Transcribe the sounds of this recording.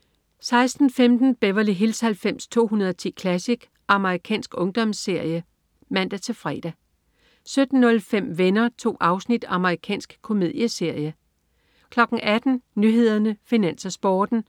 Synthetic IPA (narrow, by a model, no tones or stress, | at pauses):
sɑ̈ɪsd̥n̩femd̥n̩b̥eʋɐliɦilshælfem̰st͡sʰo̝̰ːɦunɐð̞ˠɒt͡sʰḭːkʰlæsiɡ̥ | ʔɑ̈məʁikʰɛ̰ːnsɡ̥ɔ̽ŋd̥ɒ̽mse̝ɐ̰jə | mæn̰d̥æt͡sʰe̝fʁɛ̰d̥æ | sød̥n̩ːɔ̽lfem̰ʋenɐt͡sʰo̝̰ːʔɑ̈ʊsnid̥ɑ̈məʁikʰɛ̰ːnsɡ̥kʰo̝me̝ð̞̰ˠjəse̝ɐ̰jə | kʰlɒ̽ɡ̥n̩ʔæd̥n̩nyɦe̝ð̞̰ˠɐnəfinænsɐsb̥ɒːd̥n̩